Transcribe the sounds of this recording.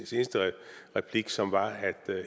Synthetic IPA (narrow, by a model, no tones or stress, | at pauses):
nse̝ːnəsd̥əʁɛpʰliɡ̥sɒ̽mʋɑ̈æd̥